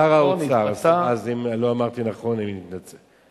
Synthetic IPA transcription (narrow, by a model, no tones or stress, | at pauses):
aʁaoaʁsaazimloamaʁt̪inaχo̞nimnit̪nat͡se